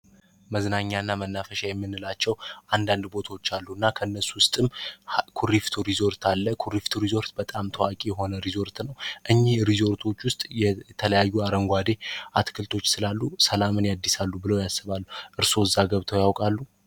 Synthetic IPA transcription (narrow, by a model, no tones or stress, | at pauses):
məznaɲːaɨnːamənːafəʃajɛmːɨnːɨlat͡ʃːɛwʔand̪and̪bo̞t̪ʰawot͡ʃːalːuɨnːakʰəɨnːəsuwʊst̪ʼɨmkʰuɾift̪ʰuɾizo̞ɾt̪ʰalːəkʰuɾift̪ʰoɾizo̞ɾt̪bət̪ʼamt̪ʰəwakʼijɛɦo̞nəɾizo̞ɾt̪nəwʔɨɲːihɾizo̞ɾt̪ʰo̞t͡ʃːwʊst̪ʼjɛt̪ʰələjajːuaɾəŋɡʷad̪e̞ʔat̪kʰɨlt̪ʰo̞t͡ʃːsɨlalːusəlamɨnjad̪ːisalːubɨləwjasːɨβalːuʔɨɾso̞ɨzːaɡəβt̪ʰəwjawkʼalːu